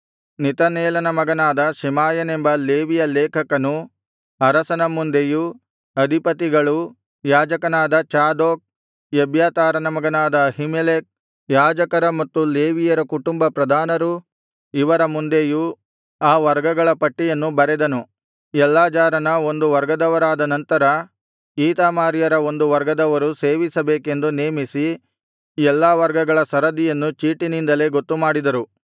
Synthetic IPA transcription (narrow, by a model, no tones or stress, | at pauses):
nit̪ɐneːlɐnɐmɐɡɐnaːd̪ɐʃimaːjɐnembɐleːʋijɐleːkʰɐkɐnu | ɐɾɐsɐnɐmund̪eju | ɐd̪ʱipɐt̪iɡɐɭu | jaːd͡ʒɐkɐnaːd̪ɐt͡ʃaːd̪oːk̚ | jɐbjaːt̪aːɾɐnɐmɐɡɐnaːd̪ɐɦimelek̚ | jaːd͡ʒɐkɐɾɐmɐt̪ːuleːʋijɐɾɐkuʈumbɐpɾɐd̪ʱaːnɐɾu | iʋɐɾɐmund̪eju | aːʋɐɾɡɐɡɐɭɐpɐʈːijɐnːubɐɾɛd̪ɐnu | ɛlːaːd͡ʒaːɾɐnɐo̞nd̪uʋɐɾɡɐd̪ɐʋɐɾaːd̪ɐnɐnt̪ɐɾɐ | iːt̪aːmaːɾijɐɾɐo̞nd̪uʋɐɾɡɐd̪ɐʋɐɾuse̞ːʋisɐbeːke̞nd̪uneːmisi | ɛlːaːʋɐɾɡɐɡɐɭɐsɐɾɐd̪ijɐnːut͡ʃiːʈinind̪ɐle̞ːɡo̞t̪ːumaːɽid̪ɐɾu